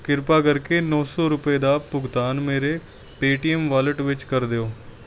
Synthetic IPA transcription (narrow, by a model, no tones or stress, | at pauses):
kɪɾpaɡəɾkenɔːsɔːɾʊped̪apʊɡt̪aːnmeːɾe | peːʈiəmʋaːləʈʋɪt͡ʃkəɾd̪eoː